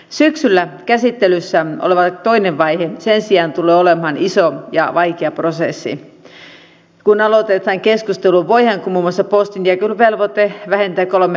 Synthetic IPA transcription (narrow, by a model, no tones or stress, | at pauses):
syksylːækæsit̪ːelysːæo̰leʋɑt̪oineʋʋɑihesensiɑnt̪ulˑeːolemhɑnisojɑ̰ʋɑikeɑprosesːḭ | kunɑlot̪et̪ːɑŋkeskust̪eluʋʋoiheŋkumuːmːoɑsːɑpost̪int̪ækylʋelʋot̪eʋæhent̪æːkolme